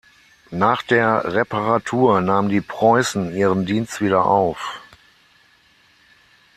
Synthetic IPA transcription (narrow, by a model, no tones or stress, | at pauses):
naːχd̥eːɐʁɛpaʁatʰuːɐnaːməndiːpʁ̥ɔʏsn̩iːʁəndiːnstv̥iːɾɐʔa̰ʊf